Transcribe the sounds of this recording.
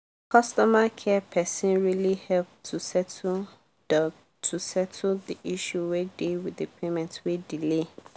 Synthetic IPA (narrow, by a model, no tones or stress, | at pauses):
kʰɔstɔmakʰɛpʰɛsĩnɹilihɛlp̚tʰusɛt | d | tʰusɛtʰl̩diʔiʃjuwedewiðəpʰemɛ̃ntwedile